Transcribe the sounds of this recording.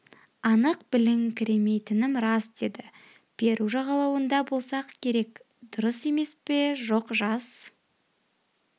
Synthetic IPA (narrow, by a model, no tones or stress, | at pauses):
ɑnəq̚bɪlɪŋkʲʰɪɾe̞me̞jt̪ɪnɪmɾɑsd̪e̞d̪ɪ | b̥e̞ɾuʒɑʁɑlˠɑwənd̪ɑbo̞lˠsɑqkʲʰe̞ɾe̞k | d̪ʊɾəse̞me̞spe̞ʒo̞qʒɑs